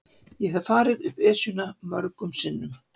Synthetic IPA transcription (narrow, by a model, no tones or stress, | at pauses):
jɛɦavfaːɾɪðʏhpɛːsʏnamœɾkʏmsɪnːʏm